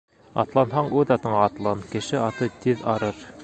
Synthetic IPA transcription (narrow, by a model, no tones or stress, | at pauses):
ɑ̰t̪lˠɑnɦɑɴʉðɑt̪ɤ̆ɴɑːt̪lˠɑnkɘ̆ʃɘɑt̪ɤt̪iðɑɾɤɾ